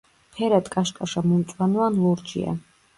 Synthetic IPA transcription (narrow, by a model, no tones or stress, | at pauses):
pʰɛɾat̪kʼaʃkʼaʃamumt̪sʼwanuanluɾd͡ʒḭa̰